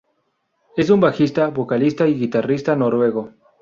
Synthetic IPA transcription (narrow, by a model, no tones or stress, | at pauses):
e̞s̬umbaxist̪aβo̞kalist̪aiɣit̪arist̪ano̞ɾwe̞ɣo̞